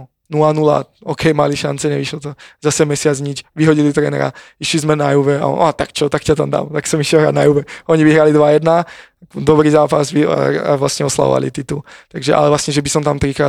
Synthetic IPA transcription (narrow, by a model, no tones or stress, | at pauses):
nulanula̰ɔːkʰɛjmaliʃa̰nt͡sɛɲɛʋiʃlɔt̪ɔzasɛmɛsɪad͡zɲit͡ʃʋiɦɔɟilit̪ɾɛːnɛ̰ɾa̰iʃlizmɛnajuʋɛa̰ɔ̰nat̪akt͡ʃɔt̪akcat̪amd̪a̰mt̪aksɔmiʃɛlɦɾa̰d̪najuʋɛɔɲiʋiɦɾalid̪ʋajɛd̪na | d̪ɔbɾiːzaːpazʋḭa̰vlasɲɛɔsla̰ʋɔ̰ʋa̰lḭt̪it̪ut̪aɡʒɛʔa̰lɛvlasɲɛʒɛbisɔmt̪amt̪ɾikɾaː